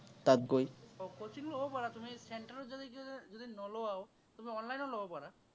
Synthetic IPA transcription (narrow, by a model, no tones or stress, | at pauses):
t̪at̪̚ɡojokot͡ʃinlobɔpaɾat̪umiseɳʈaɾɔd͡ʒɔd̪ikd͡ʒod̪inɔlowao | t̪umiɔnlajnɔlobɔpaɾa